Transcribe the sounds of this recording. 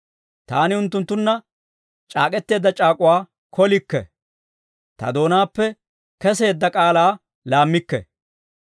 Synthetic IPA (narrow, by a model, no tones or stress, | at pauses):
t̪aːnɪʊnt̪ːʊnt̪ːʊnːɐ | t͡ʃʼaːkʼɛt̪ːe̞ːd̪ːɐt͡ʃʼaːkʼʊwaː | kʰɔlɪkːɛ̰ | t̪ɐ̰d̪o̞ːnaːpːɛ | kɛse̞ːd̪ːɐkʼaːlaː | laːmːɪkːɛ̰